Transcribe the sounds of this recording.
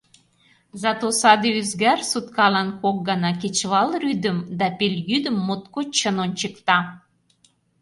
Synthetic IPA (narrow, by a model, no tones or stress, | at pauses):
zɑt̪osɑd̪eyzɡærsut̪kɑlɑnkok̚ɡɑnɑket͡ɕβɑlryd̪ə̆md̪ɑpelʲjyd̪ə̆mːot̪̚kot͡ɕənont͡ɕəkt̪ɑ